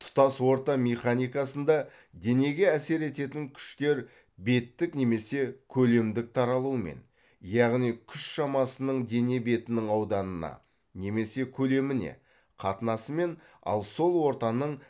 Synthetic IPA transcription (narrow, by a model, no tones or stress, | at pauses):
t̪ʰʊ̥t̪ɑswo̞ɾt̪ɑmeχanʲijkɑsənd̪ɑ | d̪e̞ne̞ɡʲe̞æse̞ɾe̞t̪e̞t̪ɪŋkʲʰʏ̥ʃt̪e̞ɾ | be̞t̪ːɪkne̞me̞se̞kʲʰɵle̞md̪ɪk̚t̪ʰɑɾɑlˠuəme̞̰n | jɑʁnijkʲʰʏʃʃɑmɑsənəɴd̪e̞ne̞be̞t̪ɪnɪŋɑwd̪ɑnənɑ̰ | ne̞me̞se̞kʲʰɵle̞mɪne̞̰ | qʰɑt̪ənɑsəme̞n | ɑ̰lˠso̞lˠwo̞ɾt̪ɑnəɴ